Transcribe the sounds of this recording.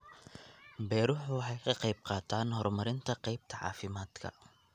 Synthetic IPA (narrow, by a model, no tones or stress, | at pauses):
bɛːɾʊħwɑħɑjkʰɐqɑjb̚qɑːt̪ʰaːnhɔrmɐɾɪnt̪ʰɐqɛjb̚t̪ʰɐʕɑ̰ːfɪmaːd̪̥kʰɐ̰